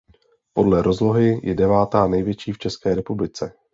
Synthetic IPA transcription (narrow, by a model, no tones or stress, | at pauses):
po̞dlɛɾo̞zlo̞ɦɪjʔɛdɛvaːt̪aːnɛjvjɛt͡ʃiːft͡ʃɛskɛːɾɛpublɪt͡sɛ